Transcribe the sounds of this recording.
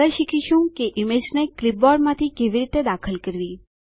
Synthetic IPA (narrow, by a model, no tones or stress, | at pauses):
əʃikʰiʃũkeʔimed͡ʒneklɪp̚bɔɖmãt̪ʰikeʋiɾit̪ed̪akʰəlkəɾʋi